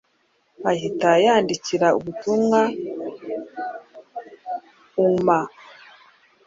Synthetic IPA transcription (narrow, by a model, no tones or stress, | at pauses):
βahitajaːndiciɾaṵβutumŋa | uma